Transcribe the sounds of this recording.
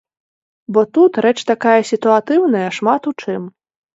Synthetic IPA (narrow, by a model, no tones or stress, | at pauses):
bɔt̪ut̪ɾɛt͡ʂt̪akajɐsʲit̪uat̪ɨwn̪ɐjɐʂmat̪ut͡ʂɨm